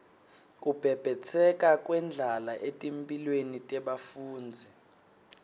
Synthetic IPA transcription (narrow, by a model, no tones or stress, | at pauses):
k̬ʼub̥ʱɛb̥ʱɛt͡sʰɛk̬ʼakʼwɛnd͡ɮʱalaʔetʼimpʼilwenitʼɛɓafuːnd͡zʱɛ